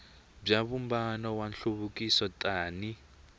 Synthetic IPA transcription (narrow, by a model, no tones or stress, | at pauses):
b͡ʐaβumbanɔwanɬuβukisɔtaːni